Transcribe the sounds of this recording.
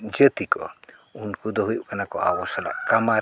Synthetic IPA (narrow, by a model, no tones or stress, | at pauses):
d͡ʒət̪ikɔ̰ | unkud̪ɔɦujuʔkanakɔ̰a̰wɔsala̰ʔkama